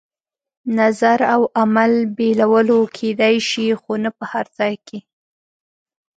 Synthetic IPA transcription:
nazaɾawamalbelawəlokʰed̪ajʃixonapəhaɾzɑjkʰe

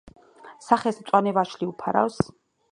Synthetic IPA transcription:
saχɛsmt̪sʼwanɛvaʃliupʰaɾa̰ws

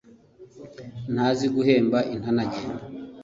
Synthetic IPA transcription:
naziɡuɦeːmbaʔinanaɟeːna

